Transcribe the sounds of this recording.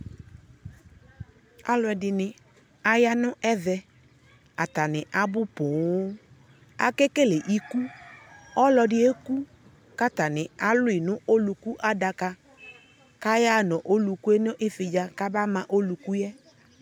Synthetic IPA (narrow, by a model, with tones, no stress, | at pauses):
a˦lʊ˨ɛ˨dɪ˨nɪ˨ | a˦ja˦nʊ̃˦ʔɛ˦ðɛ˦ | a˨ta˨nɪ˨ʔa˨bʊ˦pʊ̃˨˦ | a̰˨ke˦ke˦le˨ʔi˦ku˦ | ɔ˦lɔ˨dɪ˦e˦ku˦ | ka˦ta˨nɪ˨a˨lʊ˦ɪ˨nʊ̃˦ʔo˦lu˨ku˦ʔa˦da˨ka˨ | ka˦ja˦˨nɔ̃˨ʔo˦lu˨ku˦e˦nʊ˦ʔɪ˦fɪ˨d͡ʒa˨ka˦ba˦mã˨ʔo˦lu˨ku˦jɛ˦